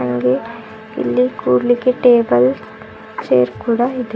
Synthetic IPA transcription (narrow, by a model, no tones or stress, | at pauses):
ɐŋɡe | ḭlːikuːɾlikeʈeːbɐl | t͡ʃḛːɾkuːɽaid̪e